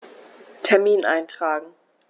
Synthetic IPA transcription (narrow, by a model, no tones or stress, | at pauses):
tʰɛɐmiːnʔa̰ɪntʁ̥aːɡŋ̩